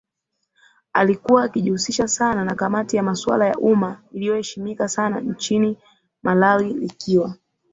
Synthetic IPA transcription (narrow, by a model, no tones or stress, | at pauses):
a̰likuwaːkiʄuhusiʃasananakamatijamaswa̰laja̰ʔumailijɔhɛʃimikasanan̩t͡ʃini | malawilikiwa